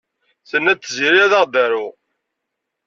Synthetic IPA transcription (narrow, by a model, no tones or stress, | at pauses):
θənːæt͡sːəziɾiæðəʁd̪æɾu